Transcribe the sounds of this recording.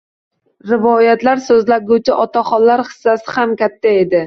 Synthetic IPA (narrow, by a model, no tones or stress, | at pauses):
ɾɪvɒjat̪laɾsɵzlaɡʲut͡ʃʰɪʔɒt̪ʰaχɒllːaɾχɨ̥sːasɪhamkʲat̪ʰːae̞d̪ɪ